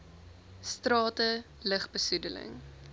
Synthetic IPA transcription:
strɑːtə | ləχbəsudələ̰ŋ

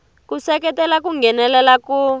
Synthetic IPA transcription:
kusɛk̬ɛtɛlak̬uŋɡɛnɛlɛlaku

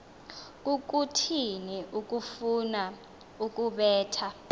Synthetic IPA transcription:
k̬ʼuk̬ʼutʰiniʔuk̬ʼufuna | uk̬ʼuɓɛːtʰa

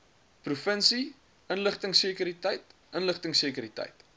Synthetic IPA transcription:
prufənsi | ənləχtəŋsiːkyɾitəjtʔənləχtəŋseːkəɾitɛ̰jt

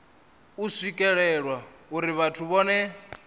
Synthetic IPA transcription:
uswikʼɛɺɛɺwa | uɾiβatʰuβɔːnɛ

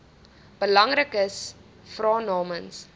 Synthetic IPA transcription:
b̥əlɐŋrəkəs | frɑːnɑːməns

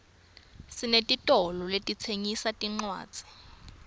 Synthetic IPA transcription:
sinetʼitʼɔlɔletʼit͡sʰeŋisatʼiŋ͡ǀwa̰ːd̥z̥ʱi̥

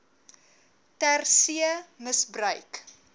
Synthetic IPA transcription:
tærsiəməsbrœɥk

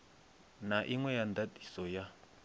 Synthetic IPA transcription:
naʔiŋwɛjand̪ati̥sɔja

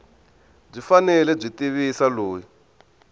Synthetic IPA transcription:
b͡ʐifanɛlɛb͡ʐʷitiβisaloːji

